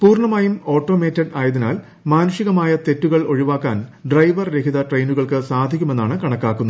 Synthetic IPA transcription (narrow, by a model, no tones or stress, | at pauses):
puːrɳɐmaːjumo̞ːʈːo̞ːmeːtːɐɖaːjɐðinaːl | maːnuʂiɣɐmaːjɐt̪e̞tːuɣɐɭo̞ɻiʋaːkːa̰ːnɖrɐjʋɐrɾe̞kʰiðɐʈrejnuɣɐɭkɨsaːd̪ʱikʲːume̞nːaːɳɨkɐɳɐkːaːkːunː